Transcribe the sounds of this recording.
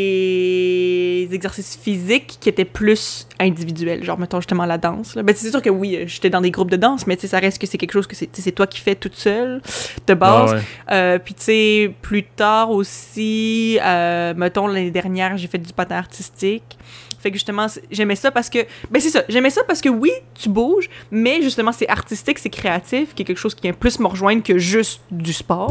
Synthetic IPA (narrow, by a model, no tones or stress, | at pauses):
e | zɛɡzɛʁsisfizɪkːiet̪ɛplysɛ̃d̪ivid̪yɥɛlʒɑ̰̃ːʁmət̪ɔ̃ʒyst̪əmɑ̃lad̪ɑ̃ːslɐbɛ̃sesɛsyːʁkəwiøʒet̪ɛd̪ɑ̃d̪eɡʁup̚d̪əd̪ɑ̃smɛt͡sesaʁɛst̪̚kəsɛkʲɛlkʃoːz̥kəsɛt͡sesɛt̪wakʲi̥fɛt̪ut̪sœld̪̥əbaːzøpɥiseplyt̪aːʁosiømət̪ɔ̃laned̪ɛʁnjɛːʁʒefɛt̪̚d̪ypat̪ɛ̃aʁt̪ist̪ik | fɛkʒyst̪əmɑ̃sɛʒɛmɛsapaʁsə̥kəbɛ̃sesaʒɛmɛsapaʁsə̥kəwit̪ybuʒmɛʒyst̪əmɑ̃sɛʔaʁt̪ist̪ɪksɛkχeat̪ifkʲjɛkʲɛlkʃoːz̥kʲivjɛ̃plysməʁəʒwɛ̃nkʲəʒyst̪d̪yspɑːʁ